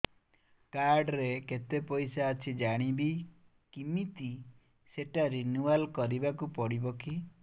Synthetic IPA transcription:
kaɾɖɾeket̪epɔjsaːt͡ʃʰid͡ʒaɽ̃ibi | kimit̪i | seʈaɾinualkɔɾibakupɔɽibɔki

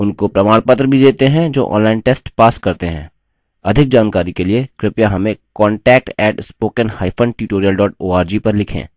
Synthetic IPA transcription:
ʊnkopɾɐmaːɽpət̪ɾəbʱid̪eːt̪eɦɛ̃d͡ʒo̰ːʔɔ̰̃ːnlaːɪnʈeːsʈpaːskɐɾt̪eɦɛ̰̃ː | ɐd̪ʱɪk̚d͡ʒaːnkaːɾikeliekɾɪpjaɦɐmẽkɔ̃ːɳʈɛːk̚ʈɛːʈspoːkənhaːɪpʰə̃ɳɖʈuʈoːɾijəlɖɔːʈ̚oːaːɾd͡ʒiːpɐɾlɪkʰḛ̃ː

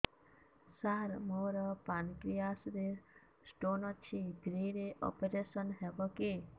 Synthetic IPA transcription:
saɾmoɾɔpankɾijasɾe | sʈonɔt͡ʃʰibʱɾiɾeʔɔ̰peɾesɔnɦɛbɔke

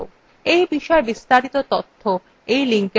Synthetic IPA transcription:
o̰ | ejbiʃɔebist̪aɾit̪ot̪ot̪ʰːo | ejliŋke

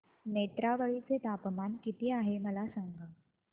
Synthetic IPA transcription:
net̪ɾaʋəɭit͡set̪apmankit̪iːaɦeməlasãŋɡa

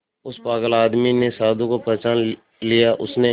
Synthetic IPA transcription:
ʊspaːɡəlaːd̪minesaːd̪ũkopɛːt͡ʃaːn | lijaʔʊsne

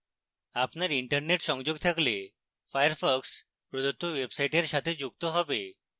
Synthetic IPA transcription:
apnjaɾiɳʈəɾneʈɕə̃ŋd͡ʑoɡ̚t̪ʰəkle | fajəɾfɔks | pɾɔd̪ut̪ːoʋebsajʈeɾɕat̪ʰed͡ʑuk̚t̪oɦɔʋe

